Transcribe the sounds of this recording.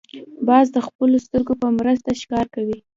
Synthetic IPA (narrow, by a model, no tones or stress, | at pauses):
bɑzd̪əxpəlost̪əɾɡopəmɾəs̬t̪aʃkɑɾkawi